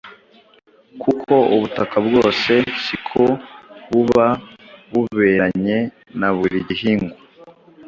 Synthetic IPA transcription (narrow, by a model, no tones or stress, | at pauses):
kʰukʰo̞uβutakʰabɡo̞ːse̞sikʰo̞βuβaβuβe̞ːɾaɲe̞ | naβuɾiɟihiːŋɡu